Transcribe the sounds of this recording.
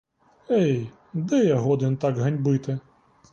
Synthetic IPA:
ɛj | d̪ɛjɐɦɔd̪ɨnt̪aɡɦɐnʲbɨt̪ɪ

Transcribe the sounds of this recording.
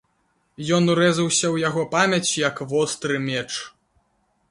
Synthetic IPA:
jɔnuɾɛzɐwsʲɐwjaɣɔpamʲɐt͡sʲjɐkvɔst̪ɾɨmʲɛt͡ʂ

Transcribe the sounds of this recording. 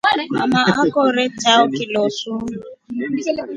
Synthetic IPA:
ma̰maakɔɾet͡ʃaɔkɪlɔsu

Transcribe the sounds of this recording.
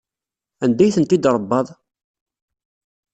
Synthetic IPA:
ænd̪æjθənt̪id̪ɾˤəbːɑðˤ

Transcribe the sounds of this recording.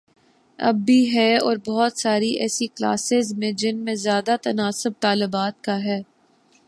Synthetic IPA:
ɐ̰bːiɦɛɔːɾbɔɦɔt̪saːɾiɛːsikla̰ːsɪzmẽd͡ʒɪnmẽzjaːd̪at̪ɐnaːsʊb̚t̪aːlʊbaːt̪̚kaɦɛː

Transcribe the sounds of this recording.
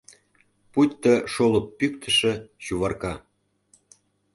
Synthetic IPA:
putʲt̪əʃolə̆pːykt̪ʰə̆ʃĕɕuβɑrkɑ

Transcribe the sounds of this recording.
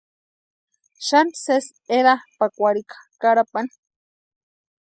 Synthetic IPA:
ʃanses | eɾapakʷaɽikḁkaɽapani

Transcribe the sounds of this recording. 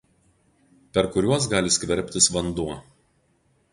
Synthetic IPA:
pʲɛɾkʊɾʲuɔs̬ɡɑːlʲɪsʲkʲʋʲɛɾʲpʲt̪ʲɪsʋɐnd̪uɔ

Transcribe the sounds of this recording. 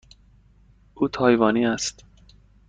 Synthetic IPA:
ʔuːt̪ʰɒːjvɒːniːæst̪

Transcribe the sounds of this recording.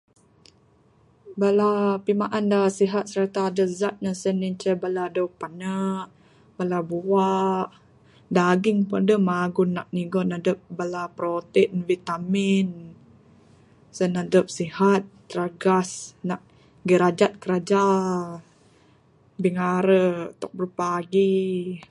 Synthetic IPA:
balapimaʔandasiɦat̪̚səɾat̪aːdəzat̪̚nasənint͡ʃɛbaladəwpanaʔ | balabuaʔ | daɡɪŋpɔndəmaɡʊnːaʔ̚niɡɔnadəp̚balapɾot̪invit̪amɪn | sənadəp̚sihat̪̚ːəɾaɡasnaʔ | ɡəɾad͡ʒat̪̚kəɾad͡ʒa | biŋaɾət̪ɔk̚bəɾupaɡi

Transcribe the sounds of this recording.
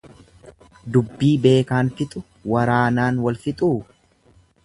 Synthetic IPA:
d̪ʊbːiːbe̞ːkaːnfɪt̪ʼʊ | wɐɾaːnaːnwɐlfɪt̪ʼuː

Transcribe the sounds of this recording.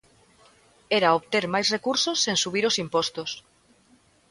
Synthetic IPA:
ɛɾaoβt̪eɾmajsrekuɾsosːeŋsuβ̞iɾosimpɔst̪os

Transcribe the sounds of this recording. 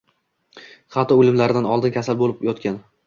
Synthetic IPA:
χɑt̪ɒolɪmlaɾɪd̪anɒlˠd̪ɪnkʲʰasalbolɪpjɒt̪kʲan

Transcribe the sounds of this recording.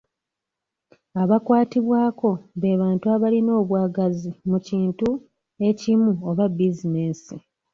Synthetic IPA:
aβakwaːtiβwaːko̞βe̞ːβaːntuaβalino̞ːβwaːɡazimuciːntu | e̞cimuoβabizine̞ːsi

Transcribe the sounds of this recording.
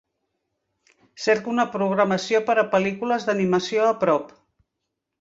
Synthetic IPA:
seɾkunəpɾuɣ̞ɾəməsijopəɾəpəlikuləzðəniməsioəpɾɔp

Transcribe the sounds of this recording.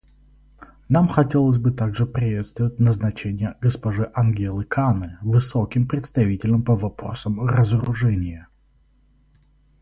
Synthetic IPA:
namxɐtʲe̞lˠəs̬ʲbɨt̪aɡʐɨpɾʲɪvʲet̪st̪vʊətʲnəznɐt͡ɕenʲɪjəɡəspɐʐɨʔɐnɡʲelˠɨkʰanɨvɨsokʲɪmpɾʲɪt̪st̪ɐvʲitʲɪlʲəmpəvɐpɾo̰səmrəzəɾʊʐɛnʲɪjə

